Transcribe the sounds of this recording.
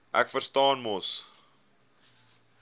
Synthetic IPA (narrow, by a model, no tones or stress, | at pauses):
ʔæ̰kfərstɑːnmɔs